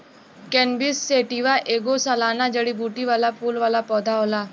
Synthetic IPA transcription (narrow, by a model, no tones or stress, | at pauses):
kɛ̃nbisːeʈiʋaʔeːɡosalaːnad͡ʒəɽibuːʈiʋaːlapuːlʋaːlapɔːd̪ʱaɦoːlaː